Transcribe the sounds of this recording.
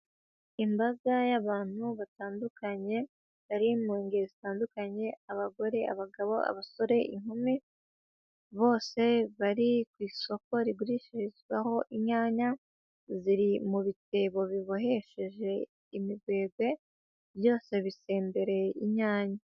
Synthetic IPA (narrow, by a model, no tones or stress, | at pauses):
imbazajaβaːn̥huβataːndukaɲe̞ | βaɾimuːŋɡezitaːndukaɲe̞aβaɡo̞ɾe̞a̰βaɡaβo̞̰a̰βaso̞ɾe̞ʔiŋhumi | βo̞ːse̞βaɾikwiːso̞ko̞ɾiɡuɾiʃezwaho̞ʔiɲaːɲa | ziɾimuβiteβo̞βiβoɦe̞ʃe̞ʒe̞ | imiɡwe̞ːɡwe̞ | βjo̞ːse̞βise̞ːmbeɾe̞iɲaːɲa